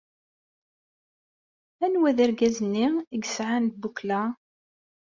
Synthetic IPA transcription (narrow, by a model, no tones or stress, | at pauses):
ænwæðæɾɡæzənːiiɡsʕant̪̚bukla